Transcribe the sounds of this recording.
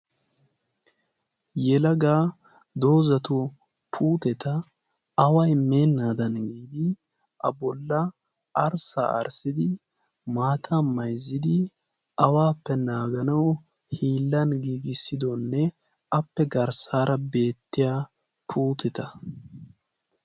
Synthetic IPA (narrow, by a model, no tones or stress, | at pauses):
jɛlɐɡaː | d̪o̞ːzɐt̪ʊ | pʰuːt̪ɛt̪ɐ | ɐwɐjme̞ːnːaːd̪ɐnɡiːd̪ɪ | ʔɐ̰bɔlːɐ | ʔɐɾsa̰ɐ̰ɾsɪd̪ɪ | maːt̪ʰamɐjzːɪd̪ɪ | ʔɐwaːpːɛnaːɡɐnɐw | hiːlːɐnɡiːɡɪsːɪd̪ɔnːɛ | ɐpːɛɡɐɾsaːɾʔɐbe̞ːt̪ːɪjaː | pʰuːt̪ɛt̪ɐ